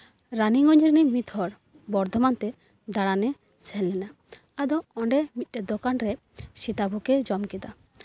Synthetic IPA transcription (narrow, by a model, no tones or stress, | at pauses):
ɾaniŋɔɲɾinɛmit̪ʰhɔɾ | bɔɾd̪ʱɔmant̪ɛ | d̪aɽanɛ | sɛlːɛna | ad̪ɔɔɳɖɛmit̪̚ˀʈɛd̪ɔkanɾɛ | sit̪abʱukɛd͡ʒɔmkɛd̪a